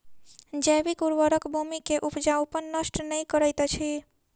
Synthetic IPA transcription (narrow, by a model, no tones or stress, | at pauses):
d͡ʒɛbikuɾʋəɾəkbʱumikeʔupd͡ʒaupənːəsʈnəjkəɾəjt̪t͡ʃʰi